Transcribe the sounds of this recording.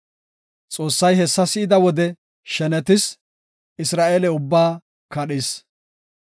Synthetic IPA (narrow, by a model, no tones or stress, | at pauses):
t͡sʼo̞ːsːɐjhɛsːɐsɪɪd̪ɐwɔd̪ɛ | ʃɛnɛt̪ɪs | ɪsɾaːʔeːlɛʊbːaː | kɐɗɪs